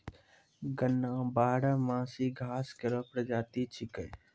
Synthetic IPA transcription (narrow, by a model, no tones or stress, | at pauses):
ɡənːãːbaːɽamãːsiːɡʱaːskeɾoːpɾɐd͡ʒaːt̪it͡ʃʰɪkəj